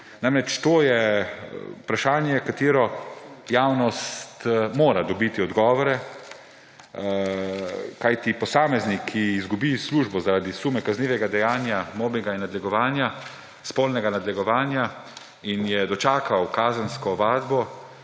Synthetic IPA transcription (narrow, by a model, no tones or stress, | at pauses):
naːmɾɛt͡ʃt̪oːjɛ | upɾaʃaːnjɛkat̪iːɾɔjaːwnɔst̪moːɾad̪ɔbit̪iɔd̪ɡɔːʋɔɾɛ | kajt̪ipɔsaːmɛznikʰːiːzɡubisluːʒbɔzaɾad̪isuːmɛkazniːʋɛɡad̪ɛjaːnjamoːbɛɡainːad̪lɛɡɔʋaːnja | spoːlnɛɡanad̪lɛɡɔʋaːnja | injɛd̪ɔt͡ʃaːkʰawkaːzənskɔʋaːd̪bɔ